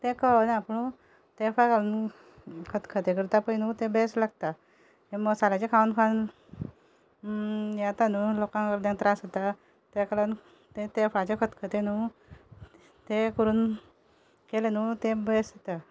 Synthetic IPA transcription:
t̪ekənapəɳu | t̪efakalən | kʰət̪kʰət̪ek̬əɾt̪apəjnut̪ebeslaɡ̚t̪a | eməsalat͡ɕekʰaunfʰan | jat̪anulokãŋkəɾd̪ẽŋɡt̪ɾasət̪a | t̪ekalan | t̪et̪efat͡ɕekʰət̪kʰət̪enu | t̪ekəɾuːn | kelenuːt̪ẽbest̪a

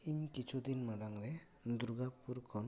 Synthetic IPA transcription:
iɲkit͡ʃʰud̪inmaɖaŋɾɛ | d̪uɾɡapuɾkʰɔn

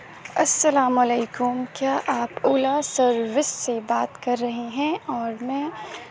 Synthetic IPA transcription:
ɐsːɐlaːmɐleːkʊmkjaːʔaːpʊːlasɐɾʋɪsːebaːt̪kɐɾːɐɦeɦɛ̃ɔːɾmɛ̃ː

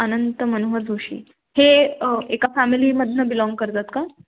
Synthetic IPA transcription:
ənənt̪əmənoɦəd͡zʱoɕḭː | heekafæmiliːməd̪ʱnəbilɔ̃ŋɡ̚kəɾt̪at̪ka

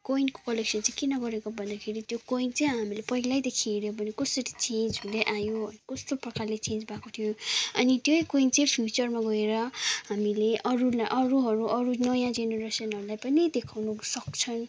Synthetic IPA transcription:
koinko̥kʌleksʌnt͡sãkinʌɡʌɾekobʱʌnd̪akʰeɾit̪jokoint͡sʌjɦamilepʌilajd̪ekʰieɾjobʱʌnikʌsʌɾit͡send͡zɦuleʔajoʌnikʌst̪oprʌkarlet͡sẽnd͡zbakot̪ʰijoʌnit̪jojkoint͡sʌĩpʰjut͡sʌrmaɡʌeɾʌɦamileʔʌɾulaʔʌɾuɦʌɾuʔʌɾunʌjãd͡zeneɾesʌnɦʌɾulajpʌnid̪ekʰawnusʌkt͡sʰʌn

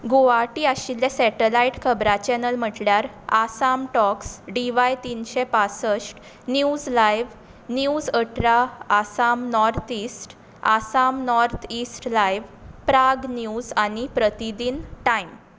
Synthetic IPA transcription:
ɡoaʈiːaɕiljesɛʈəlajiʈkʰəbɾat͡ɕɛnəlm̤əʈljaɾ | asamʈɔksɖiʋajt̪inɕɛpat͡səsʈ | njud͡zlajʋ | njud͡zəʈʰɾaːsamnɔɾt̪ʰisʈ | asamnɔɾt̪ʰisʈlajʋpɾaɡnjud͡zañipɾət̪id̪iːnʈaim

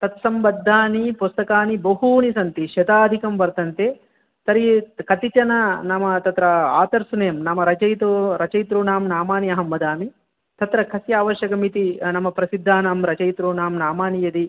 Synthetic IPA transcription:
t̪ɐt̪sɐmbɐd̪ʱːaːnipust̪ɐkaːnibɐɦuːnisɐnt̪iʃɐt̪aːd̪ʱikɐmbɐɾt̪ɐnt̪e | t̪ɐɾikɐt̪it͡ʃɐnɐnɐmɐt̪ɐt̪ɾɐa̰ːt̪ɐɾsunejːɐmnɐmɐɾɐt͡ʃɐjt̪uɾɐt͡ʃɐjt̪ɾuːnaːmnaːmaːniɐɦɐmbɐd̪aːmi | t̪ɐt̪ɾɐkʰɐsjaːʋɐʃjɐkɐmit̪inɐmːɐpɾɐsid̪ʱːaːnaːmɾɐt͡ʃɐjt̪ɾuːnaːmnaːmaːnijɐd̪i

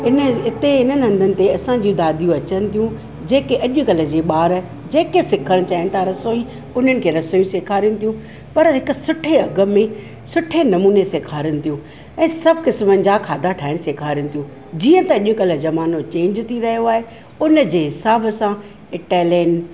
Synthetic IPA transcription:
ɪnɪt̪eɦɪnənɪ̆ɦɐ̃nd̪ʱənɪ̆t̪eɐsãd͡ʑijũd̪aːd̪ijũɐt͡ɕənɪ̆t̪ʰijũ | d͡ʑeːkeɐʄʊkɐlə̆d͡ʑeːɓaːɾ | d͡ʑeːkesɪkʰəɽ̃t͡ɕaːɦɪnɪ̆t̪ʰaɾɐsoːi | ʊn̤ənɪ̆kʰeːɾɐsoːjũseːkʰaːɾjʊ̃nɪ̆t̪ʰijũ | pɐɾɦɪkʊ̆sʊʈʰeɐɡə̆mẽ | sʊʈʰenɐmuːneseːkʰaːɾjəñɪ̆t̪ʰijũ | ɛ̃ːsɐbʱkɪsmənɪ̆d͡ʑakʰaːd̪ʱaʈʰaːɪɽ̃seːkʰaːɾijʊñt̪ʰjũ | d͡ʑiːə̃t̪ɐɐʄʊkɐlə̆d͡ʑɐmaːnot͡ɕẽːɲd͡ʑt̪ʰiɾɐɦijoaːɦe | ʊnəd͡ʑeːɦɪsaːbsã | ɪʈɛːlən

